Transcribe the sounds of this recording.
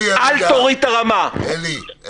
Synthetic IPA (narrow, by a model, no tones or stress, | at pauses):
ʔalt̪oʁit̪aʁama